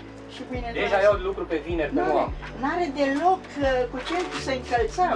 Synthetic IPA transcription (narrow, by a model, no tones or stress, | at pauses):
ʃibined̪eʒavjawlukɾupe̞vineɾeoa̰mnaɾed̪elo̞kkut͡ʃent̪ɾusəɨŋkəlt̪səm